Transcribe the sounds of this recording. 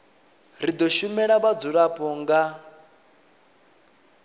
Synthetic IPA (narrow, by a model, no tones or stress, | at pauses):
ɾid̪ɔʃumɛɺaβad͡zuɺapʼɔŋɡa